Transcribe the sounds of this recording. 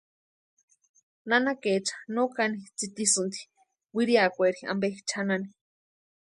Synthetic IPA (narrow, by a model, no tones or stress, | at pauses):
nanaket͡ʃʰḁnokanit͡sit̪isɨnt̪i̥ | wiɾiakʷeɾia̰mbeit͡ʃʰanani